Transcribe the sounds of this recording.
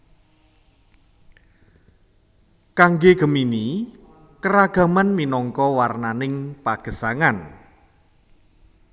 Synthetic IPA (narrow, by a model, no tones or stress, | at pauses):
kaŋɡeɡ̥ə̤mini | kəɾaɡ̥ä̤manminɔŋkɔwarnanɪŋpaɡ̥ə̤saŋan